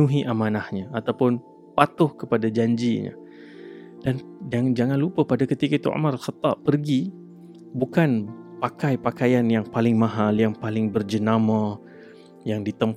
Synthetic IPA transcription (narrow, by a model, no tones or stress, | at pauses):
ũɦiʔamãnahɲaat̪awpʊn | pat̪ʊhkəpadad͡ʒaɲd͡ʒiɲa̰ | dand͡ʒaŋnd͡ʒaŋãnlupəpadakət̪ikait̪ṵa̰maɾalxat̪ːɑpərɡi | bukanpakajpakajanjaŋpalɪŋmãɦaljaŋpalɪŋbərd͡ʒənama | jaŋdit̪əmp